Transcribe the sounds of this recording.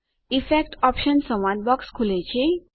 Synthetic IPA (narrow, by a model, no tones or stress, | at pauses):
ifek̚ʈɔpɕənsə̃w̃ãnbɔkskʰulet͡ɕe